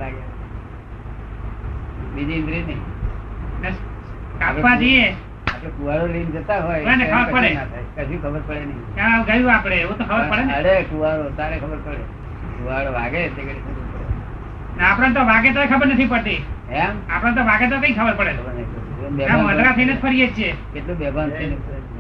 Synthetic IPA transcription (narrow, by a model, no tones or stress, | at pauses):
laɡe | ʋid͡ʒind̪ɾinəĩ | nə | kaʋad͡ʒəie | aplekuaɽolind͡ʒət̪aɦɔjeneəbəɾpəɽeat̪ʰajkəsiũkʰəbəɾpəɽenəɦikãɡəjũapɽeũt̪okʰəbəɾpəɽenəɽekuaɾot̪aɾekʰəbəɾpəɽe | kuaɽoʋaɡet̪ekeɽikʰəbupəɽe | naːpɽãnt̪oʋaɡet̪oekʰəbəɾnət̪ʰipəɽt̪iemapɽãnt̪oʋaɡet̪̬okəĩkʰəbəɾpəɽeən | obɛãʋəd̪ɾat̪ʰəinəd͡ʒpʰəɾijet͡ʃʰiekeʈlobɛbʱanəne